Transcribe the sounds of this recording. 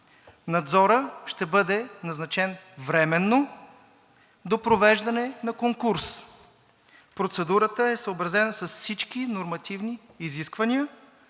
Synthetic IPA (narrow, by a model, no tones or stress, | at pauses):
nɐd̪zɔɾəʃt̪ɛbɤd̪ɛnɐznɐt͡ʃɛnvɾɛmɛnːo | d̪opɾovɛʒd̪ɐnɛnɐkoŋkuɾs | pɾot̪sɛd̪uɾət̪əɛsəobɾɐzɛnəsɐsfsit͡ʃkinoɾmɐt̪ʰivniːziskvɐniə